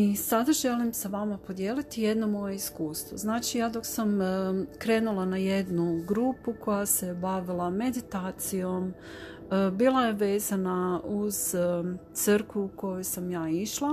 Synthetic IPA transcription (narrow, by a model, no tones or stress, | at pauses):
isad̪aʒe̞limsaʋamapo̞d̪jeːlit̪ije̞d̪no̞mo̞je̞iskuːst̪ʋoznaːt͡ʃijaːd̪o̞ksamkɾe̞ːnulˠanaje̞d̪nuɡɾuːpukʰo̞jasebaʋilˠame̞d̪it̪aːt̪sijo̞m | biːlˠaje̞ʋe̞ːzanauz̥t̪səɾkʋuːko̞jujsamjaːiʃlˠa